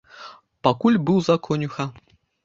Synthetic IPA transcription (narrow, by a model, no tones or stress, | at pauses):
pakulʲbɨwzakʰɔnʲuxa